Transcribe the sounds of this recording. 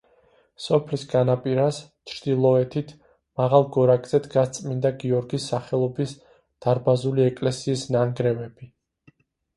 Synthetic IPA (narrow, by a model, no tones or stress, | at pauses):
sɔpʰlisɡanapʼiɾas | t͡ʃʰɾd̪̥ilˠɔɛt̪ʰit̪ʰ | maʁalˠɡɔɾakʼz̥ɛt̪ʰɡat̪sʼmind̪aɡiɔɾɡisːaχɛlˠɔbis | d̪̥aɾbazuliɛkʼlɛsiːsnaŋɡɾɛvɛb̥i